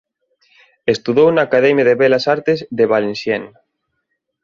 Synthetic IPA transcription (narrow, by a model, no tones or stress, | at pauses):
est̪uðownaːkaðɛmjaðeβɛlasaɾt̪ezðeβalensjɛn